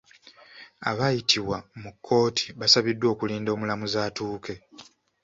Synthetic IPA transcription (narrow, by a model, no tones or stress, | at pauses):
a̰βajitʰiwamukʰːo̞ːtʰi̥βasaβidːwo̞ːkuliːndo̞ːmulamuzaːtuːke̞